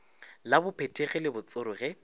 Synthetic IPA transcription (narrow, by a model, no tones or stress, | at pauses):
labʊpʰetʰʼeɣɪlɪbʊt͡sʼʊɾʊɣɛ